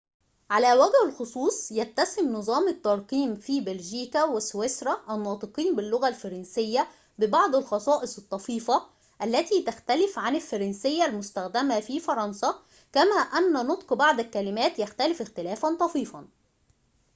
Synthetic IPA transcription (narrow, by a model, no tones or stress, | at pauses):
ʕalæːwæɡhɪlxosˤuːsˤjæt̪ːæsɪmnɨzˤɑːmɪt̪ːɑɾˤqiːmfiːbɪlʒiːkæwɪswesɾˤɑʔænːɑːt̪ˤɨqiːnbɪlːʊɣælfɑɾˤɑnsɪjːæ | bɪbɑʕd̪ˤɪlxɑsˤɑːʔɪsˤɨt̪ˤːɑfiːfɑ | ʔælːæt̪iːt̪axt̪ælɪfʕanɪlfɑɾˤɑnsɪjːælmʊst̪æxd̪æmafiːfɑɾˤɑnsɑ | kæmæːʔænːænʊt̪ˤqbɑʕd̪ɪlkælɪmæːt̪jæxt̪ælɪfɪxt̪ɪlæːfænt̪ˤɑfiːfɑn